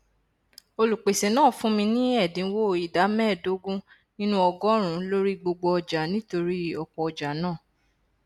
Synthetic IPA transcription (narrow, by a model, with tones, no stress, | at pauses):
o˧lu˨k͡pe˨se˨nãː˦˨fũ˦mĩ˧nĩ˦ɛ˦˨dĩ˨˦wo˦˨i˨da˨˦mɛ̃˦˨do˨˦ɡũ˦ | nĩ˦nũ˦ɔ˧ɡɔ˦ɾ̃ũ˨lo˦ɾi˦ɡ͡bo˧ɡ͡bɔ˧d͡ʒa˨nĩ˦to˧ɾi˦ɔ˧˨kɔ˧ɔ˧d͡ʒa˨˦nãː˦˨